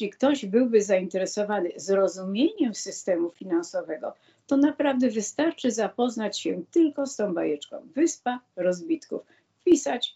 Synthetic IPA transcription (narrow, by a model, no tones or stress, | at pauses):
ikt̪ɔʑbɘwbɘzaint̪ɛɾɛsɔvanɘzɾɔzumʲjeɲɛmsɘst̪ɛmufʲinansɔvɛɡɔ̰ | t̪ɔnapɾavd̪ɛvɘst̪aɾt͡ʂɘzapɔznat͡ɕɕɛt̪ɘlkɔst̪ɔ̃w̃bajɛt͡ʂkɔ̰̃w̃vɘspaɾɔzbʲit̪kṵf | pʲisat͡ɕ